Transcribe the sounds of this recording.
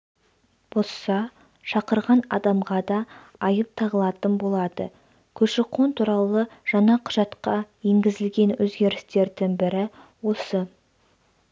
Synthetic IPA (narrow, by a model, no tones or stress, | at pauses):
b̥o̞sːɑ | ʃɑqəɾʁɑnɑ̰d̪ɑmʁɑd̪ɑː | jəp̚t̪ʰɑʁəlˠɑt̪ənbo̞lˠɑd̪ə̰ | kʲʰɵʃɪqʰont̪ʰuɾɑlˠəʒ̥ɑɴɑqʰʊ̥ʒɑt̪qɑjeŋɡʲɪzɪlɡʲe̞nwɵzɡʲe̞ɾɪst̪e̞ɾd̪ɪŋbɪɾɪ | wo̞sə